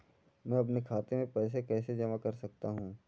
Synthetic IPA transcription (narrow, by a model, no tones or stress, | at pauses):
mɛ̃ːɐpnekʰaːt̪emẽpɛːs̬ekɛːsed͡ʒɐmakɐɾsɐk̚t̪aɦũː